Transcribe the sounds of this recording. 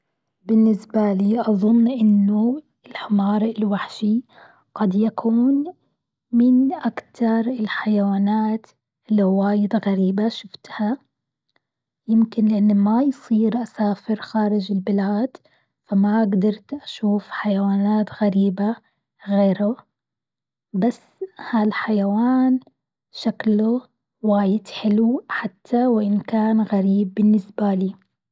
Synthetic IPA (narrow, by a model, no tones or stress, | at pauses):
bɪnːɪsbaliːʔɑðˤʊnːʔɪnːʊ | ɪlħɪmɑːɾˤɪlwaħʃi | ɡ̥ad̪jakʰuːn | mɪnʔakt̪ʰɑɾˤɪlħajawaːnaːt̪ | lːwaːjɪd̪ɣaɾiːbaʃʊft̪ha | jɪmkɪnlɪʔanːmajsˤiːɾʔasaːfɪɾxaːɾɪd͡ʒɪlbɪlaːd̪̥ | famaʔaɡd̪ɑɾˤt̪ʔaʃuːfħajawaːnaːt̪ɣaɾiːba | ɣeːɾʊ | basːhalħajawaːn | ʃaklu | waːjɪd̪ħɪluħat̪ʰːawɪʔɪnkaːnɣaɾiːb̚ːɪnːɪsbaliː